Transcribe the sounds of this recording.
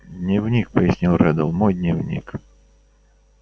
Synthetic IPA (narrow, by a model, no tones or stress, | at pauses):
d̪ʲnʲiwnʲik̚pəjɪsʲnʲilˠrɛd̪əlˠmɔjd̪ʲnʲiwnʲḭk